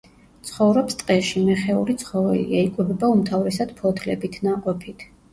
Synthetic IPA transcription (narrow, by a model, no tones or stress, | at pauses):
t̪sʰχɔvɾɔpst̪ʼqʼɛʃimɛχɛuɾit̪sʰχɔvɛ̰lḭaikʼwɛbɛbaumt̪ʰavɾɛsad̪̥pʰɔt̪ʰlɛbit̪ʰnaqʼɔpʰit̪ʰ